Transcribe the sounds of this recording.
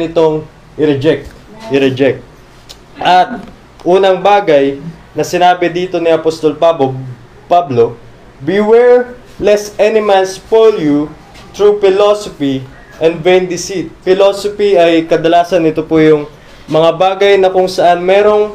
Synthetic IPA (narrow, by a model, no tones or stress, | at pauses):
ɪt̪o̞ŋ | ʔɪɾɛd͡ʒɛk̚t̪ | ʔɪɾɛd͡ʒɛk̚t̪̚ | ʔɐt̪̚ | ʔuːnɐŋbaːɡɐjnɐsɪnaːbɪd̪iːt̪o̞niʔɐpost̪o̞lpabo | pablo̞ | biwɛɹ | lɛsʔɛnɪmanspolju | t̪ɹupɪlosofi | ʔɛ̃nd̪vejnd̪ɪsit̪̚fɪlosopiɐjkɐd̪ɐlaːsɐnːɪt̪opʊjʊŋ | mɐŋabaːɡɐjnɐkʊŋsɐʔanmɛːɾo̞ŋ